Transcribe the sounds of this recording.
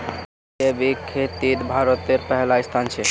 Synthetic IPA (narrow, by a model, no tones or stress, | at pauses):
ebikʰːet̪iɾbʱaɾot̪eɾpɛɦlaist̪ʰant͡ɕʰe